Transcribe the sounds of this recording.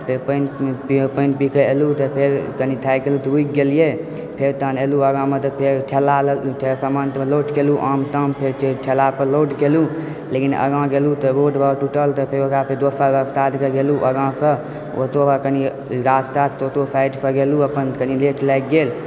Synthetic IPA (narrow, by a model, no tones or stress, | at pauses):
pepənpipənpikəelut̪əpʰeɾkənit̪ʰajkelut̪əuik̚ɡelije | pʰeɾt̪əneluəɡãmẽt̪əpʰeɾʈʰelaʈʰeɾsəmant̪meloʈkeluʔamt̪əmpʰeɾt͡ʃeʈʰelapəɾloʈkelu | lekinə̰ɡãɡelut̪əboʈbʱəʈuʈəlt̪əpʰeɾoɡaped̪opʰabəpt̪ad̪kəɡeluʔəɡãsə | o̰t̪opakəni | ɾasʈat̪t̪ot̪opʰajʈpʰəɡeluəpənkənileʈʰlajk̚ɡel